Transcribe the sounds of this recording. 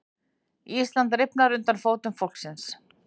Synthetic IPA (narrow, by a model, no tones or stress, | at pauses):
iːst̪lant̪rɪpnaɾʏnt̪anfoːwt̪ʏnfowl̥ksɪns